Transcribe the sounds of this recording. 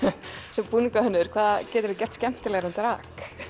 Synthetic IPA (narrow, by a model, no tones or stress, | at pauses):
sɛmpuːniŋkahʏnːʏðʏɾ̥kʰvaːðacɛːt̪ʏɾɪcɛr̥t̪scɛm̥t̪ɪlɛɣɾɛnt̪ɾaːk